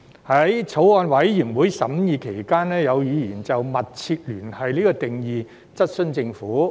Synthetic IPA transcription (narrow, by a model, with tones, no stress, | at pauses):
hɐ˨˥jt͡sʰo˨˥wɔː˧nwɐ˨˥jːiː˨˩ŋwuː˨˥jsɐ˨˥mjiː˨˧kʰe˨˩jkaː˥nɛː˥jɐ˨˧wjiː˨˧jiː˨˩nt͡sɐ˨wmɐ˨t̚t͡sʰiː˧t̚lyː˨˩nhɐ˨jliː˥kɔː˧t̪ɪ˨ŋjiː˨˧ | t͡sɐ˥t̚sɵ˥nt͡sɪ˧ŋfuː˨˥